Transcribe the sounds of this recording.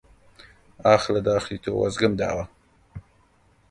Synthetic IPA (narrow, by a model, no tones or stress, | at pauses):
aːxlad̪ɑːxlit̪ʰo̰wa̰zɡəmd̪ɑ̰wa